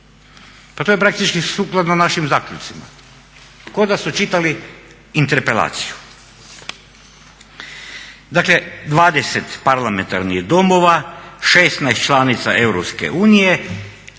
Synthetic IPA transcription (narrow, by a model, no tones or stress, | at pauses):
pat̪ojpɾak̚t̪it͡ʃkisuːklˠad̪nanaʃimzaːkʎʲut̪sima̰ | ko̞d̪asut͡ʃit̪aliː | nt̪eɾpela̰ːt̪si̥ju̥ | d̪akle̞d̪ʋaːd̪eset̪paɾlament̪aɾniɣd̪o̞mo̞ʋaʃest̪najst̪t͡ʃlˠaːnit̪saʔe̞wɾopskḛʔuːnije